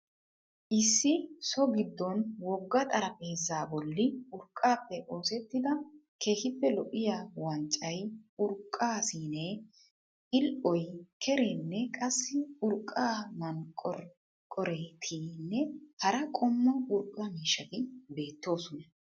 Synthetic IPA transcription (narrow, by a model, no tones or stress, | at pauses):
ʔɪsːɪsɔɡɪd̪ːɔnwɔɡːɐt̪ʼɐɾɐpʼeːzːaːbɔlːɪʊɾkʼːaːpːɛʔo̞ːsɛt̪ːɪd̪ɐkʰe̞ːhɪpːɛlɔʔɪjawɐnt͡ʃʼːɐjʊɾkʼːaːsiːneː | ʔɪlʔɔjkʰɛɾenːɛkʼɐsːɪʊɾkʼːaːmɐnkʼɔɾ | kʼɔɾet̪ʰiːnːɛhɐɾɐkʼɔmːɐʔʊɾkʼɐmiːʃːɐɡ̪ɪbe̞ːt̪ːo̞ːsɔnɐ